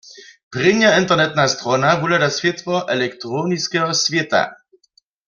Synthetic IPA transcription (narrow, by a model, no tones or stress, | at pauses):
pʁɪɲaint̪ɛʁnɛt̪nast̪ɾɔnavulad̪asvʲjɛt̪vɔʔɛlɛkt̪ɾɔniskɛɦɔsvʲjɛt̪a̰